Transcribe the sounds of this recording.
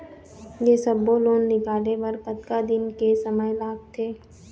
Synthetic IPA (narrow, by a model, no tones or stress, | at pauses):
jeːsɐbːoloːnːɪkaːleʋɐɾpɐt̪kad̪ɪnkesɐməjlaːɡ̚t̪ʰeː